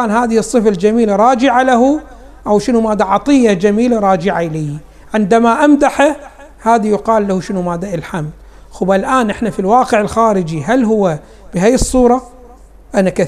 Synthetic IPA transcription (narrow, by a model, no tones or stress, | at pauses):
aːnɦaːðɪhɨsˤːɨfald͡ʒamiːlaɾˤɑːd͡ʒɪʕalaɦu | ʔawʃɪnumaːd̪ːaʕɑt̪ˤɨjːad͡ʒamiːlaɾˤɑːd͡ʒɪʕaʔliː | ʕɪnd̪amaʔamd̪aħa | haːðajʊqɑːlːahuʃɪnumaːd̪ːaʔɪlħamd | xuːbʔalʔaːnʔɪħnafilwɑːqɪʕɪlxaːɾɪd͡ʒiɦalɦʊwːa | b̥ɪɦajɨsˤːuːɾˤɑ | ʔanaka